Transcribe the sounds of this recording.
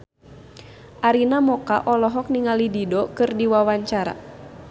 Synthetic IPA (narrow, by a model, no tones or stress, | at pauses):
ʔaɾinamɔka̰ʔɔlɔɦɔk̚niŋalididɔkɨrdiwawaɲt͡ʃaɾa̰